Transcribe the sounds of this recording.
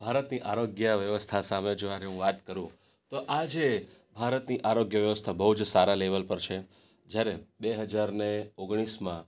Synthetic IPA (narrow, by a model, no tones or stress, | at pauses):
b̥ʱaɾət̪niʔaɾoɡjəʋjəʋəst̪ʰasamed͡ʒoaɾeɦũʋat̪kəɾũ | t̪oʔad͡ʒebʱaɾət̪niʔaɾoɡjəʋjəʋəst̪ʰabəɦud͡ʒsaɾaleʋəlpəɾt͡ʃʰe | d͡ʒjaɾebeɦəd͡ʒaɾneoɡɽ̃ismã